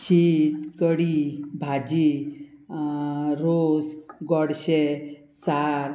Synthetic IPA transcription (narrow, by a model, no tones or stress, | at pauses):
ɕiːt̪kəɽibʱad͡ʑi | ɾosɡɔɽɕe | saɾ